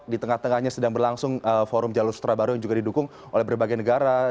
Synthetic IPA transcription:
dit̪əŋaht̪əŋahɲasədaŋbərlaŋsʊŋəfoɾʊmd͡ʒalʊsu̥t̪ɾabaɾujaŋd͡ʒuɡadidukʊŋ | ʔo̰lɛhbərbaɡajnəɡaɾa

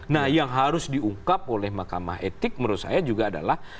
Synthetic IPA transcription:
nahjaŋɦaɾʊsdiuŋkap̚olɛhmakama̰ɦet̪ɪk̚məɾusa̰jad͡ʒuɡaːda̰lah

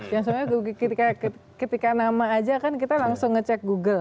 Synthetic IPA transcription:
jaŋsəmaaɡuɡkət̪ikakəkət̪ikanamaːd͡ʒakankit̪alaŋsʊŋːət͡ʃɛk̚ɡuɡəl

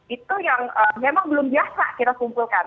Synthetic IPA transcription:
it̪ujaŋəmemaŋbəlʊmbiasa̰kit̪akumpulkan

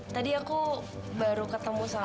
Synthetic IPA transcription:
t̪adiakubaɾukət̪əmusa

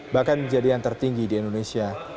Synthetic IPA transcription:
bahkanməɲd͡ʒadijaŋt̪ərt̪iŋɡidiɛndonesia

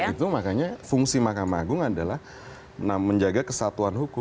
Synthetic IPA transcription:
it̪umakaɲafuŋsimakamaːɡʊŋadalah | naməɲd͡ʒaɡakəsat̪uanhukʊ

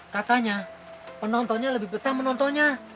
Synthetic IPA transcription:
kat̪aɲa | pənɔnt̪ɔɲaləbɪhbət̪amənɔnt̪ɔɲa

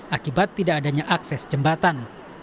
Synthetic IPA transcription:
ʔakibat̪ːidaʔːdaɲaʔaksɛsd͡ʒəmbat̪an

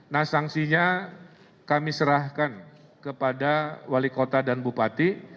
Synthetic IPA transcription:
nahsaŋsiɲa | kamisəɾahkan | kəpadawalikot̪adanbupat̪i

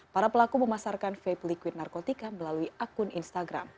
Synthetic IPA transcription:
paɾapəlakuməmasarkanfeplikwɪt̪̚narkot̪ikaməlaluiakʊninst̪aɡɾa̰m

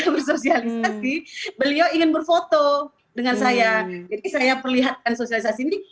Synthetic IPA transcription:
bərsosialisasibəlioiŋɪnbərfot̪o | dəŋansajad͡ʒadisajapərliɦat̪̚kansosialis̬asiːni

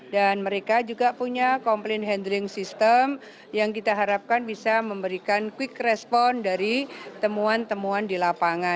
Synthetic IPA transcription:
danməɾekad͡ʒuɡapuɲakɔmplɪnɦɛndəɾɪŋsist̪əm | jaŋk̬it̪aɦaɾap̚kanbisaməmbəɾikankwɪkrɛspɔndaɾit̪əmuant̪əmuandilapaŋa

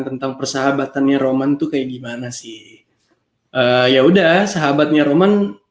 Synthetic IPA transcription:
t̪ənt̪aŋpərsaɦabat̪anɲaɾomant̪ukajaɡimanasɪh | ʔəjaudasaɦabat̪̚ɲaɾoman

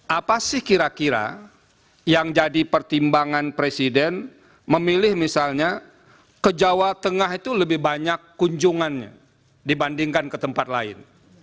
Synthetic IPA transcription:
ʔapasɪhkiɾakiɾa̰ | jaŋd͡ʒadipərt̪imbaŋanpɾesidɛn | məmilɪhmisalɲa | kəd͡ʒawat̪əŋaɦit̪uləbɪhbaɲakːuɲd͡ʒuŋanɲa̰ | dibandiŋkankət̪əmpat̪̚laɪ̰n

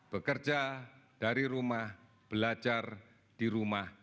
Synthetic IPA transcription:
b̥əkərd͡ʒad̥aɾiɾumah | b̥əlad͡ʒar | d̥iɾumah

